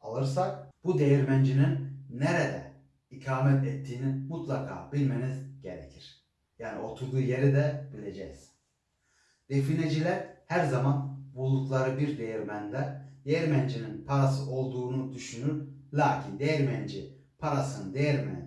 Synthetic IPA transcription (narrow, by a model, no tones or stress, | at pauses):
alˠɯɾsak̚b̥ud̪ejiɾmænd͡ʒininːeɾed̪ɛ̰ | ikʰaːmɛt̪ɛt̪ʰːiːnimut̪lˠakʰa̰ːbilʲme̞nizɟe̞̰ɾḛcʰiɾ̥ | jaːnio̞t̪ʰuɾd̪uːje̞ɾid̪ɛbilʲe̞d͡ʒɛ̰jz̥ | d̪̥e̞fined͡ʒilʲæɾhæɾzamanbulˠuk̪lˠaɾɯbiɾd̪ejiɾmænlɛd̪ejɾmænd͡ʒininpʰaɾasɯʔo̞lˠd̪uːnud̪yʃynyɾlʲaːcʰind̪ejɛɾmænd͡ʒi | pʰaɾasɯnɯd̪ejɛɾmɛ